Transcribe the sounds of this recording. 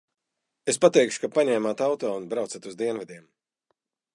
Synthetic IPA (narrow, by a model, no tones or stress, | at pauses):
espat̪ɛjkʃu̥kapaɲɛːmat̪awt̪ɔːunbɾawt̪sat̪uzd̪iɛnvɛd̪ʲiɛm